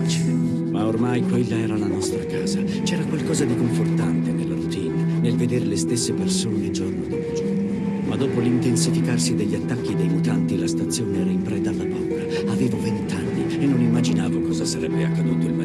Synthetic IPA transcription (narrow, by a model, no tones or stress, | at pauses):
t͡ʃ | maormajpɔilːaɛːɾalanɔst̪ɾakaːza | t͡ʃɛːɾakwalkɔːzad̪ikoɱfort̪ant̪enelːaɾut̪iːnenelved̪eːɾelest̪esːepersoːned͡ʒornod̪ɔd͡ʒo | mad̪ːuːpolint̪ensifikarsid̪eʎːat̪ːakːid̪ejmut̪ant̪ilast̪at̪sːjoːneɛɾaimpɾɛːt̪aːlːabɔkːa | aveːvovent̪anːi | enːonimːad͡ʒinaːvokɔːzasaɾɛbːeakːad̪uːt̪oilma